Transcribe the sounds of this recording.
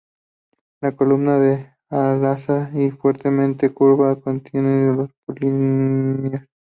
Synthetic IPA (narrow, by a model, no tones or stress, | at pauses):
lako̞lumnaðe | alasaifweɾt̪e̞mẽnt̪e̞kuɾβakont̪jenelospolinjas